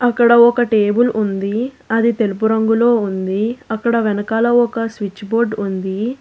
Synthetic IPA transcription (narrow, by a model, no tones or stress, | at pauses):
ɐkːɐɽɐɔkɐʈeːbulʔund̪i | ɐd̪it̪e̞lupuɾɐŋɡulo̞ːund̪iɐkːɐɽɐʋɛnɐkaːlɐɔkɐsʋit͡ʃːboːɾɖund̪i